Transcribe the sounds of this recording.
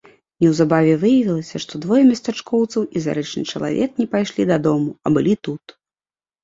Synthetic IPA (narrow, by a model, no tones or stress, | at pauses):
nʲɛwzabavʲɛvɨjɐvʲilˠɐsʲɐʂt̪ɔd̪vɔjɛmʲɐst̪at͡ʂkɔwt̪sɐwiza̰ɾɛt͡ʂnɨ̰t͡ʂɐlˠa̰vʲɛknʲɛpajʂlʲid̪ɐd̪ɔmuɐbɨlʲit̪ut̪